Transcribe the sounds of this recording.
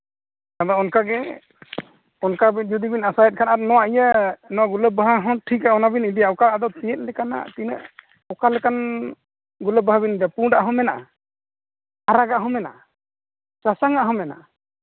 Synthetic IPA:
k̪ad̪ɔɔnkaɡɛ | ɔnkabind͡ʒud̪ibinasajɛt̪̚kʰanaɾɔnɔwaʔijənɔwaʔɡuləb̚aɦaɦɔ̃ʈʰikaɔnabinid̪ijaɔkaːd̪ɔt̪ijɛt̪̚ˀlɛkana̰t̪inə̰ʔ | ɔkalɛkan | ɡuləb̚aɦabindapuɖaʔɦɔmɛnaʔa | aɾaɡaʔɦɔmɛna̰ʔa | sasaŋaʔɦɔmɛna̰ʔa

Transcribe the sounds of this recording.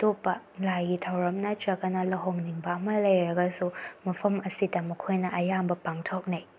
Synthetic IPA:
topːɐlajɡitʰɐwɾɐmnɐt͡ʃɐkɐnɐlɐɦoŋniŋbɐɐmɐlɐjɾɐɡɐsumɐpʰɐmɐsidɐmɐkʰojnɐʔɐjambɐpaŋtʰok̚ni

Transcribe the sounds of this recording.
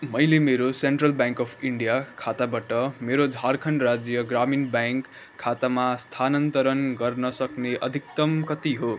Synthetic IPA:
mʌjlemeɾoseɳʈrʌlbjaŋkʌpʰiɳɖijakʰat̪abaʈʌmeɾod͡zʱarkʰʌɳɖrad͡zjʌɡraminbaŋkʰː | at̪amast̪ʰanʌnt̪ʌɾʌnɡʌrnʌsʌkneʔʌ̰d̪ʱikt̪ʌmkʌt̪iɦo

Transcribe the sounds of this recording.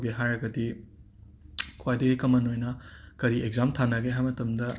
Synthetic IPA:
ɡeɦajɾɐɡɐdi | kʰwajdɐɡikɐmɐnojnɐkɐɾieɡ̚zamtʰanɐɡeɦajmɐtɐmdɐ

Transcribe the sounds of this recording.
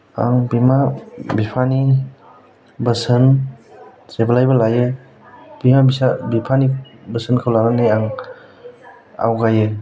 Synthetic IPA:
a̰ŋbimabipʰani | bəsɯn | sebalajbalajɯ | b̥imabisabipʰanibəsɯnkʰawlaɾanɯjaŋ | a̰wɡajɯ

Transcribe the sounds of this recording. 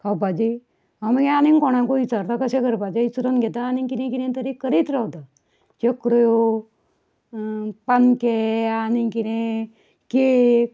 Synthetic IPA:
kʰawpad͡ʑi | amɡẽanĩnkɔɽ̃ãkoʋit͡saɾt̪akəsẽkəɾpad͡ʑeit͡suɾənɡʱɛt̪aːnikinẽkiɾẽt̪əɾikəɾit̪ɾawt̪a | t͡ʃəkɾjo | pankeanikiɾẽ | ke

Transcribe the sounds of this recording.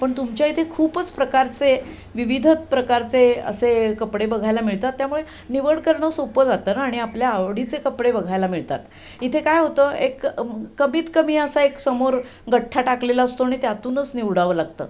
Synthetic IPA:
pəɳt̪umt͡ɕjait̪ʰekʰuːpət͡spɾəkaɾt͡se | ʋiʋid̪ʱət̪̚pɾəkaɾt͡seə̰sekəpɽebəɡʱajlamiɭt̪at̪ːjamuɭe | niʋəɽkəɾɳəsopəd͡zat̪əːnaːɽ̃iapljaːʋɽit͡sekəpɽebəɡʱajlamiɭt̪at̪ | it̪ʰekajɦot̪əekːəmiːt̪kəmiːəsaeksəmoɾ | ɡəʈʰːaʈaklelaəst̪oaɽ̃it̪eat̪uːnət͡sniʋɽaʋəlaɡ̚t̪ə̰

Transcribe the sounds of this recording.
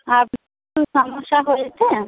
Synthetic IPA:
ab | t̪uʃɔmoʃːaɦojet͡ɕʰe

